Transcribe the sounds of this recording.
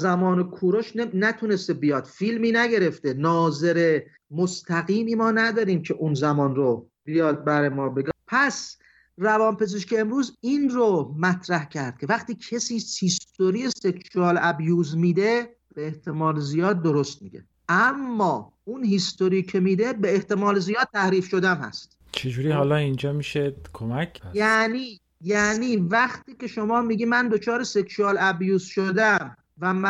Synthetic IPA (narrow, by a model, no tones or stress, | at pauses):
zæmɒːnekʰuːɾoʃnnæt̪ʰune̞st̪ebijɒːd̪̥filmiːnæɡe̞ɾe̞ft̪e̞nɒːze̞ɾe | most̪ʰæɣiːmiːmɒːnæd̪ɒːɾiːmcʰeʔunzæmɒːnɾo | b̥ijɒːd̪̚bæɾjmɒːbeɡpʰæs | rævɒːnpe̞zeʃkʰeːmɾuːzinɾomæt̪ʰɾæhcʰæɾd̪̥̚kʰʲe̞væχt̪iːcʰesiːshist̪oɾieseksuɒːlæbjuːzmiːd̪e̞ | b̥eeht̪ʰe̞mɒːlzijɒːd̪̚ːoɾost̪̚miːɟḛ | ʔæmːɒː | unhist̪oɾiːcʰe̞miːd̪e̞beeht̪e̞mɒːlzijɒːd̪̚t̪ʰːæhɾiːfʃo̞d̪æmhæ̰st̪ | t͡ʃʰed͡ʒuːɾiːhɒːlɒːind͡ʒɒːmiʃekʰomækʰːææniː | jæniːvæχt̪iːcʲe̞ʃomɒːmiːɡiːmænd̪o̞t͡ʃʰɒːɾeseksuɒːlæbjuːz̥ʃod̪æm | væm